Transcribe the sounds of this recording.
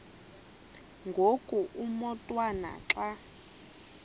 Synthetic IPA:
ŋɡʱokʼuʔumɔtʼwana̰ǁa

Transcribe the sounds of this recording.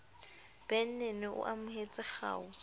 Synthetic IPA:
b̥ɛn̩nenɪʔʊ̰ʔamʊɦet͡sʼɪχa̰ːʊ

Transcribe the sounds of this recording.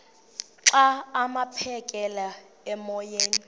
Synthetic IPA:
ǀaːmapʰɛkʼɛla | ɛmɔjeːni

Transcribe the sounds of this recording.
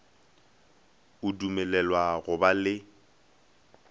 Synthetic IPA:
ʊdumɛlɛlwaɣʊbalɪ

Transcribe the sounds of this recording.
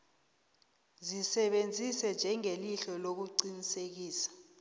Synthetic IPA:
zisɛɓend͡zʱisɛnd͡ʒʱɛŋeliɬɔlok̬uǀinisek̬iːsḁ

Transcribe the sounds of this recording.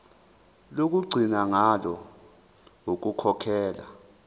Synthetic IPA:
lok̬ʼuɡ͡ǀʱinaŋalɔ | ok̬ʼukʰɔkʰɛːla̰

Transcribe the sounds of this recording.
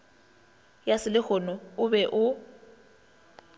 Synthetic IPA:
jasɪlɪk͡xʰɔnɔʊbɛʔʊ

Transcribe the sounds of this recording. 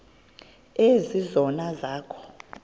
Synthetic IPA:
ezizɔnazaːkʰɔ̥

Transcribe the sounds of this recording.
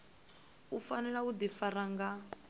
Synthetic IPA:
ufanɛɺaud̪ifaɾaŋɡa

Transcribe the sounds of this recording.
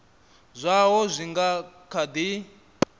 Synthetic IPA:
zʷaɦɔzʷiŋɡakʰad̪i

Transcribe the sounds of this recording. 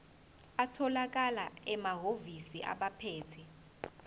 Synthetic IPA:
atʰɔlak̬ʼalaɛmaɦovisiʔa̰ɓapʰɛːtʰɛ

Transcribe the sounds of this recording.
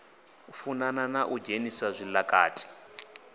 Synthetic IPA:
funananaʔud͡ʒenisazʷilaka̰ːtʰʼi̥

